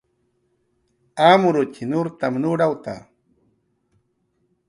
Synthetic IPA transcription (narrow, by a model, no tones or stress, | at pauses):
amʊɾʊt͡ʃʰinʊɾt̪amnuɽawt̪a̰